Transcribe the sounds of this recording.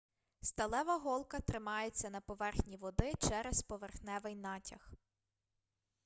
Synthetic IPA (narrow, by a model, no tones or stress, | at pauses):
st̪ɐlˠɛʋɐɦɔlˠkɐt̪ɾɪmɑjet͡sʲːɐnɐpɔʋɛrxnʲiʋɔd̪ɪt͡ʃɛɾespɔʋerxnɛʋɪjnɑtʲɐx